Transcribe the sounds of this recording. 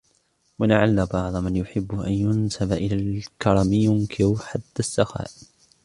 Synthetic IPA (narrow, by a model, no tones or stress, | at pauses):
walaʕalːabɑʕd̪ˤmanjʊħɪbːʊʔanjʊnsabaʔɪlaːlkɑɾˤɑmjʊŋkʰɪɾħad̪ːasːaxa̰ːʔ